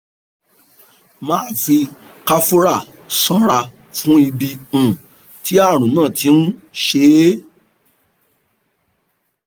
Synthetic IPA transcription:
mãː˦˨fi˧ | ka˧fo˦ɾa˦˨ | sɔ̃˦ɾa˦˨ | fũ˦i˧bi˧ũ˦˨ | ti˦a˦˨ɾ̃ũ˨nãː˦˨ti˨˦n̩˦ʃe˨˦

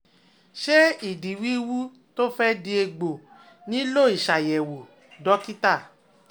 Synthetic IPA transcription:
ʃe˦i˨di˨wi˦wu˦ | to˦fɛ˦di˧˦e˧ɡ͡bo˨ | nĩ˨˦lo˦˨i˨ʃa˨jɛ˨wo˨ | dɔ˨˦ki˦ta˦˨

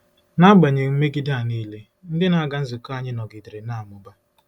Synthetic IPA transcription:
na˦ɡ͡ba˨ɲe˨ŋ͡m̩˦me˦ɡi˦da˦˨niː˦le˦ | n̩˦dɪ˦na˨a˦ɡa˦n̩˦zɪ˨ka˦ɲɪ˦nɔ˨ɡɪ˨dɾe˨na˦˨a˨mʊ˦ba˦

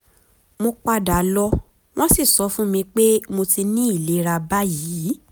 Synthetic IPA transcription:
mo˧k͡pa˧da˨˦lɔ˦ | w̃ɔ̃˦si˦˨sɔ˨˧˦fũ˦mĩ˧k͡pe˦mo˧ti˧nĩ˦i˦˨le˨˦ɾa˧ba˦jiː˨˦

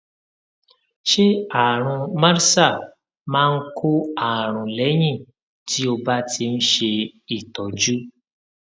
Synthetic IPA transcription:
ʃe˦a˨ɾ̃ũ˧mã˦ɾsa˦˨ | mãː˦˧n̩˦kʰo˦a˦˨ɾ̃ũ˨lɛ˨˦j̃ĩ˦˨ | ti˦o˧ba˦tʰi˧n̩˦ʃe˧i˦˨tɔ˨d͡ʒu˦

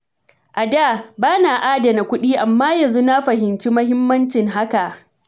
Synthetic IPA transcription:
ʔa˨daː˦˨baː˦naː˨ʔaː˦dɐ˨na˨kʷʊ˦ɗiː˦ʔa˨mːaː˦jɐ˨nzu˦na˦ɸɐ˨hɪ˨nt͡ʃi˦mɐ˦ɦɪ˦mːɐ˦nt͡ʃɪ˨ŋɦa˦ka˨ʔ

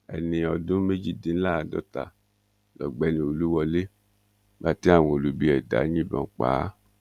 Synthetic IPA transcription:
ɛ̰˨nĩ˧ɔ˧dũ˦me˦d͡ʒi˦dĩ˨n̩˦la˦˨a˨dɔ̰˦ta̰˨ | lɔ˨ɡ͡bɛ˨˦nĩ˧o˨lu˦wɔ˧le˦ | ba˦˨ti˦a˦˨w̃o˨lu˨˦bi˦ɛ˨da̰˨˦ɲĩ˦bɔ̰̃˨˦k͡pa̰ː˨˦

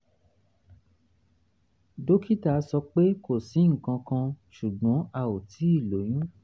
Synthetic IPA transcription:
do˦ki˦ta˦˨˦sɔ˧k͡pe˦ko˨si˨˦ŋ̩˨kã˧kã˧ʃu˨ɡ͡bɔ̃˨˦a˧˨o˨tʰi˨˦i˦˨lo˨˦jĩ˦

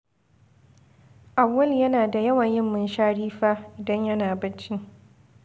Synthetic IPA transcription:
ʔa˨wːɐ˦ljɐ˦naː˨da˨jɐ˦wɐ˨ɲjɪ˦mːɪ˦nʃaː˦ɽiː˦ɸaː˦ʔɪ˨dɐ˦ɲjɐ˦naː˨bɐ˦t͡ʃːi˦

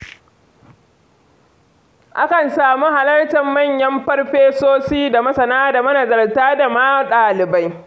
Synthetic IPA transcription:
ʔa˦kɐ˨nsaː˨mu˦ha˨lɐ˦rtɐ˨mːɐ˦˨ɲjɐ˦mɸɐ˦rɸeː˦soː˦siː˦da˨mɐ˦sɐ˨naː˦da˨mɐ˦na˨zɐ˨ltaː˦da˨maː˦ɗaː˨lɪ˨ba˦j

